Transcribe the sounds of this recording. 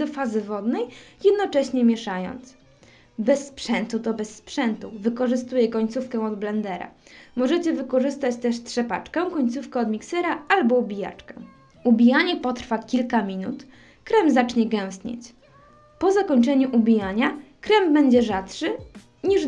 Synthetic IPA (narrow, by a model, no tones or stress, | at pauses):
d̪ɔfazɘvɔd̪nɛjjɛd̪nɔt͡ʂɛɕɲɛmʲjɛʂajɔ̰nt̪s | bɛsːpʂɛnt̪ut̪ɔbɛsːpʂɛnt̪uvɘkɔʐɘst̪ujɛkɔɲt̪sufkɛ̃ɔd̪blɛnd̪ɛɾa̰mɔʐɛt͡ɕɛvɘkɔʐɘst̪at͡ɕt̪ɛʂt̪ʂɛpa̰t͡ʂkɛw̃kɔɲt̪sufkɛɔd̪mʲiksɛɾaalbɔubʲija̰t͡ʂkɛ̰ | ubʲijaɲɛpɔt̪ɾfakʲilkamʲinṵt̪ | kɾɛmzat͡ʂɲɛɡɛw̃st̪ɲḛt͡ɕ | pɔzakɔɲt͡ʂɛɲuʔubʲijaɲakɾɛmbɛɲd͡ʑɛʐat̪ʂɘ | ɲiʐ